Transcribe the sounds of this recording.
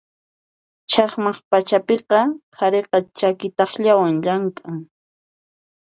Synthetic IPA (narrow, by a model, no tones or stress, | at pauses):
t͡ʃʰɑχmɑχpat͡ʃapeqɑkʰaɾeqɑt͡ʃakɪt̪ɑχʎawaŋʎaŋkʼaŋ